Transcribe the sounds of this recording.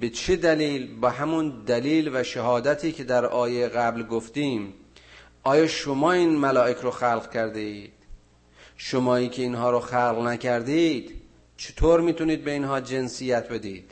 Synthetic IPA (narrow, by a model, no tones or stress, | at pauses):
be̞t͡ʃʰed̪æliːlbɒːɦæmund̪æliːlvæʃæhɒːd̪æt̪ʰiːcʰʲe̞d̪æɾʔɒːjeɣæblɡoft̪iːm | ʔɒːjɒːʃomɒːiːnmælɒːʔecʰɾoxælʁcʰæɾd̪eiːd̪̥ | ʃomɒːiːcʰeinɦɒːɾoxælɣnækʰæɾd̪id̪̥ | t͡ʃʰe̥t̪ʰoːɾmiːt̪uniːd̪̚beinɦɒːd͡ʒe̞nsijæt̪̚ʰbe̞d̪iːd̪̥